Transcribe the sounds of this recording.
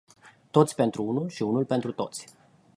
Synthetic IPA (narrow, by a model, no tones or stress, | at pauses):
t̪o̞t̪sʲpe̞nt̪ɾuunulʃiunulpe̞nt̪ɾut̪o̞̰t̪sʲ